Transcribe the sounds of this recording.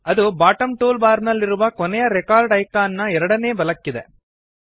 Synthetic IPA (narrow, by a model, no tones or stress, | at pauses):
ɐd̪ubaːʈɐmʈuːlbaːɾnɐlːiɾuʋɐkɔnɛjɐɾɛkaːɾɖɐjkaːnːɐɛɾɐɽɐneːbɐlɐkːid̪e